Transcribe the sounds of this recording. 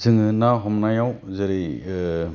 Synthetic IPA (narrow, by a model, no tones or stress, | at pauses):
zʰɯŋɯnaɦɔmnajawzeɾi